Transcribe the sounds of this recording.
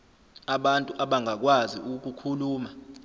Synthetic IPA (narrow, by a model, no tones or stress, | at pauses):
aɓantʼuʔaɓaŋak̬wazḭʔuk̬ukʰuluːma